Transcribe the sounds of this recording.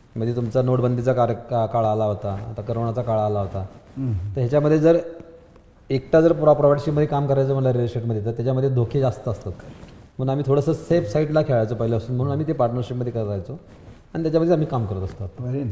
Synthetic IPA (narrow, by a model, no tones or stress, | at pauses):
m̤əd̪ʱːjet̪umt͡sanoʈbənd̪it͡sakaɾkaɭaːlaɦot̪a̰ːt̪akəɾʋəɳat͡sakaɭaːlaɦot̪at̪əɾɦjat͡ɕjaməd̪ʱːjed͡zəɾ | ek̚ʈad͡zəɾpuɾapɾoʋaʈɕiməd̪ʱjekamkəɾajt͡səːməlaɾelʂeʈməd̪ʱjet̪at̪jat͡ɕaməd̪ʱjed̪ʱokʰed͡zast̪əːst̪at̪ | m̤əɽunamiːt̪ʰoɽəsəsefsaiʈlakʰeɭajt͡sopəɦileəsuːnm̤əɽ̃uːnamiːt̪epaɾʈnəɾɕipməd̪ʱjekəɾajt͡so | aɽ̃it̪jat͡ɕaməd̪ʱːjam̤iːkamkəɾət̪əst̪at̪̚